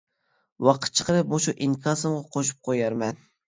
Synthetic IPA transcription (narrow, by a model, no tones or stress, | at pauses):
wɑqʰə̥t̪̚t͡ʃʰə̥qʰəɾɨp̚muʃuʔiŋkʰɑsɨmʁɑqʰoʃu̥p̚qʰojɑɾmɛn